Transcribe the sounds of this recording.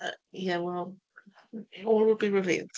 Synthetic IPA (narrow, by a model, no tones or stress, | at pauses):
ʌjæwɛlˠ | ɔlˠwɪlˠbiɹɨvḭlˠd̥